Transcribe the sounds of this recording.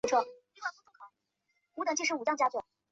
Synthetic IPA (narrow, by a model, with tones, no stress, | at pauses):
ʈ͡ʂʰwɔ˥˩˧ | kʰ | u˧˥ə˨˩ŋt͡ɕʰi˥˩ʂɻ̩˧˥u˨˩t͡ɕɑ˥ŋt͡ɕja˥t͡swɔ˨˩˦